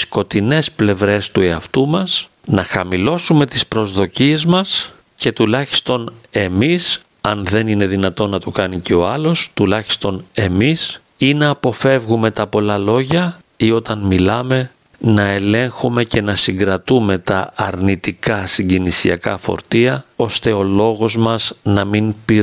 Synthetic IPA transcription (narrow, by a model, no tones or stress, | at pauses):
sko̞t̪ine̞sple̞vɾe̞st̪ue̞ɐft̪umɐs | nɐxɐmilo̞sume̞t̪ispɾo̞zðo̞cie̞zmɐs | ce̞t̪ulɐçi̥st̪o̞ne̞mis | ɐnðe̞nine̞ðinɐt̪o̞nːɐt̪okɐniceo̞ɐlo̞st̪ulɐçi̥st̪o̞ne̞mis | inɐːpo̞fe̞vɣume̞t̪ɐpo̞lɐlo̞ʝɐ | io̞t̪ɐnmilɐme̞ | nɐe̞le̞ŋxume̞ce̞nɐsiŋɡɾɐt̪ume̞t̪ɐːɾnit̪ikɐsiɲɟinisiɐkɐ̰fo̞̰ɾt̪iɐo̞st̪e̞o̞lo̞ɣo̞zmɐznɐminpi